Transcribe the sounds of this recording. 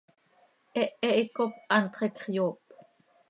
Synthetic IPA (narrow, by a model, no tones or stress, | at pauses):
ʔɛʔɛʔikop̚ʔɑnt̪χekχjoːp